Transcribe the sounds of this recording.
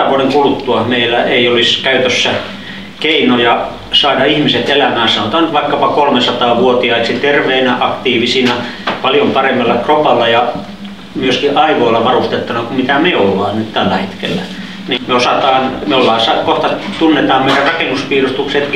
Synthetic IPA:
ʋuoneŋkulut̪ːuɑmeilːˑæeioliskæyt̪øsːæ | keinojɑ | sɑidɑihmiset̪elæmæːsɑnot̪ɑːnyt̪ʋɑikːɑpɑkolmesɑt̪ɑːʋuot̪iɑisit̪erʋeinʔɑkt̪iːʋisiːnæ | pɑljompɑremːelːɑkropɑlːɑjɑ | myøskiʔɑiʋoilːɑʋɑrust̪et̪ːunɑkumit̪æmeolːɑːnnyt̪t̪ælːæhet̪kḛlːæ | nimeosɑt̪ɑːnmeolːɑːsɑt̪koht̪ɑt̪unːet̪ɑːmmeidærrɑkenuspiːrust̪ukset̪

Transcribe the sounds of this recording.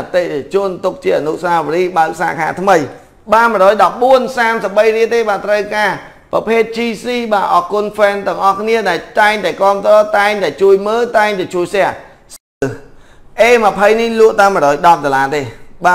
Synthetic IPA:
t̪eːt͡ɕʊ̆ənt̪uk̚t͡ɕiəʔanuʔsaːʋəɾiːɓaək̚sa̰ːkʰa̰ːt̪ʰməj | ɓaːmɨəɾɔːjɗɑp̚ɓuənsaːmsəp̚ɓəjriət̪eːɓaːt̪rəwkaː | prɑ̰pʰeːt̪̚t͡ɕiːsiːɓaːʔɑːkuənfɛːnt̪ɛ̆əŋʔɑhkʰniəɗaɛlt̪aɛŋt̪aɛkɔ̆əmt̪rɔːt̪aɛŋt̪aɛt͡ɕuəjməːlt̪aɛŋt̪aɛt͡ɕuəjsɛ̆əh | s | ə | ʔeːməpʰəjnihlʊəʔt̪aəmə̆ɾɔːjɗɑp̚ɗolaːt̪eːɓaː

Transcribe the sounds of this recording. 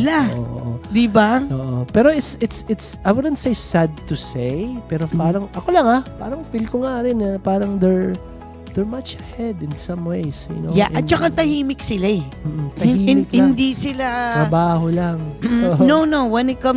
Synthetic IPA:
laʔo̰ʔʔʔod̪ɪbaʔoːʔopɛːɾoʔɪt̪sɪt̪sɪt̪sʔɐjwʊd̪ɛnt̪sejsad̪̚t̪usejpɛːɾopaːɾɐŋʔɐkolɐŋapa̰ːɾɐŋfilkoŋaɾɪnɛpaːɾɐŋd̪ɛɹ | d̪ɛɹmɐt͡ʃɐhɛd̪ɪ̃nsɐ̃mwejsj̰no̰ja̰ʔɐt̪̚t͡ʃɐkat̪ɐhiːmɪksɪlaɛ | m̩ːʔ̩t̪ɐiɪkhɪnd̪isɪlaɾɐbaːholaŋonownowɛnɪt̪̚kɐm

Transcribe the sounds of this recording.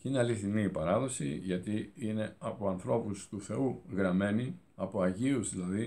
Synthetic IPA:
cineɐliθiniːpɐɾɐðo̞sḭʝɐt̪iine̞ɐpo̞ɐnθɾo̞pust̪uθe̞uɣɾɐme̞niɐpo̞ɐʝiuzðilɐði

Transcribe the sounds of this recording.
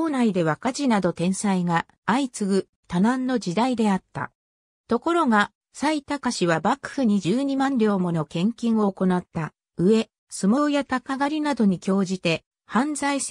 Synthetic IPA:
oːnaid̪e̞βakaʑinad̪o̞t̪ẽ̞ɰ̃saiŋaː | it͡sɨɡɯ̟ | t̪anãnːo̞d͡ʑid̪aid̪e̞at̪ːa̰ | t̪o̞ko̞ɾo̞ɡa | sait̪akaɕiβabakɯ̥hɯ̟ɲ̟id͡ʑɨːɲ̟imãnɾʲo̞ːmo̞no̞kẽ̞ŋkʲĩɰ̃o̞ːko̞nat̪ːa | ɯ̟e̞ | sɨmo̞ːjat̪akaɡaɾʲinad̪o̞ɲ̟ikʲo̞ːʑit̪e̞ | hãnzais

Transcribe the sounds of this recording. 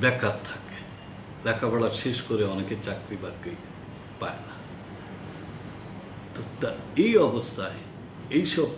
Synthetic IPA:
bɛkʰːatt̪ʰːake̥ | lɛkʰabɛɭaɾʃeʃkoɾeɔneket͡ɕakɾibakːi | paena | t̪ot̪aɾejɔbost̪ʰae | ejʃɔb̚

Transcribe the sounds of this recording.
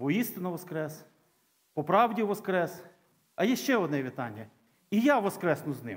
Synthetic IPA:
ʋɔist̪ɪnɐʋɔskɾɛs | pɔpɾɑwdʲiʋɔskɾɛs | ɐjɛʃt͡ʃɛɔd̪nɛʋʲit̪ɑnʲːɐ | ijaʋɔskɾɛsnʊznɪ̰m

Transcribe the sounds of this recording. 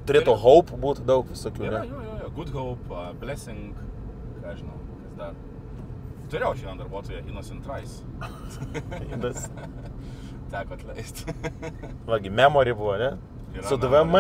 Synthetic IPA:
t̪ʊɾʲet̪oːɣɔʊpbuːt̪d̪ɐʊkʋʲɪsoːkʲuːnʲɛjoːjoːjoːɡʊd̪ɣɐʊpːbʲlʲæsʲɪŋkɐʒʲɪnɐʊkɐsd̪ɐr | t̪ʊɾʲeːjɛʊʒʲiːnɐd̪ɐɾbuɔt̪oːjɛʔɪnosʲɪnt̪ɾɐɪs | inɐsʲ | t̪ʲæːkoːɐt̪ʲlʲɛɪsʲt̪ʲ | ʋɐɡʲɪmʲæːmoːɾʲjbʊʋoːnʲɛ | iɾsʊd̪ʋɛmɐ

